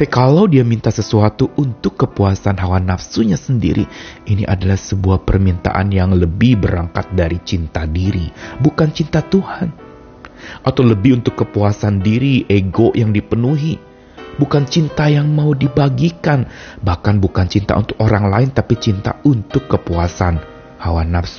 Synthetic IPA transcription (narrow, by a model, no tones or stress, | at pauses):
pakalawdiamint̪asəsuat̪uʔːnt̪ʊkːəpuasanɦawanafsuɲasəndḭɾḭinḭʔa̰dalahsəbuahpərmint̪a̰ʔa̰njaŋləbɪhbəɾaŋkat̪̚daɾit͡ʃint̪adiɾḭbukant͡ʃint̪at̪uhan | ʔat̪awləbɪhunt̪ʊkːəpuasandiɾiʔeɡoʔjaŋdipənuɦi | bukant͡ʃint̪ajaŋmaudibaɡikanbahkanbukant͡ʃint̪a̰ṵnt̪ʊkoɾaŋlaɪnt̪apit͡ʃint̪a̰ʔunt̪ʊkːəpuasan | hawanafsu̥